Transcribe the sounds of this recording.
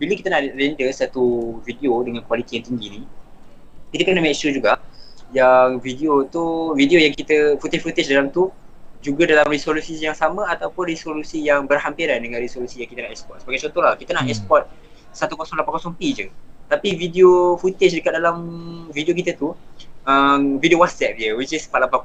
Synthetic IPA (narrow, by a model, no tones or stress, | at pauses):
biləkit̪ənaʔrɛndəsat̪uvidiodəŋãnkwalit̪ijaŋt̪iŋɡini | kit̪əkənamɛksud͡ʒuɡaʔjaŋvidiot̪uvideojaŋkit̪əfut̪ɪt͡ʃfut̪ɪt͡ʃdalamt̪u | d͡ʒuɡadalamrisolusijaŋsamə̃at̪awpʊnrisolusijaŋbərhampiɾandəŋãnrisolusijaŋkit̪ənahɛkspɔt̪̚səbaɡajt͡ʃɔnt̪olahkit̪ənahɛspɔt̪̚ | sat̪ukosɔŋlapakosɔŋpid͡ʒət̪apividiofut̪ɪt͡ʃdəkat̪̚dalamvidiok̬it̪ət̪uəmvidiowat̪̚sɛp̚diəwit͡ʃispalapa